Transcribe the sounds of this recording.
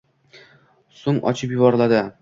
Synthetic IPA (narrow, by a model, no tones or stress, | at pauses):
sʊŋɒ̰t͡ʃʰɪpjʊbɒɾɪlad̪ɪ